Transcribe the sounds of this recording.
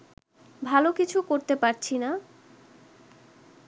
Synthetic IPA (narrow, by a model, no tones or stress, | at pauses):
bʱalokit͡ɕʰukoɾt̪epaɾt͡ɕʰina